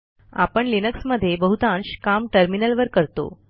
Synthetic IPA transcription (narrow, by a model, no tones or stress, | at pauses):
a̰pəɳlinəksməd̪ʱːjebəɦut̪ãnɕkamʈəɾminəlʋəɾkəɾt̪o̰